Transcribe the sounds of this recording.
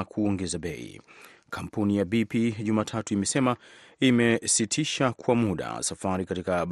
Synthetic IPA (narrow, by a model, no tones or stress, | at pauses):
kʰuɔŋɡɛzaɓɛḭ | kʰam̩punijabipiʄumaːtʰatuimɛsɛmaimɛsitʰiʃakʰwamuɗa̰safaɾikatikaɓ